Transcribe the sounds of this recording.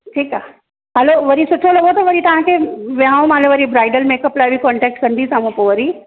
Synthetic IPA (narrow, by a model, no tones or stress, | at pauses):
ʈʰiːkaː | ɦɐloʋɐɾisʊʈʰolɐɡot̪ɐʋɐɾit̪ɐʋ̤ãkʰeːʋjãũmãːloʋɐɾibɾaːɪɖəlmeːkɐplaːɪbikɔːɳʈɛːk̚ʈkɐ̃nd̪isãːmũpoʋɐɾi